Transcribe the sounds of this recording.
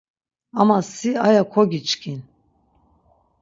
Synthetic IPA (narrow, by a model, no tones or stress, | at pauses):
amasiajakʰɔɡit͡ʃʼkʰin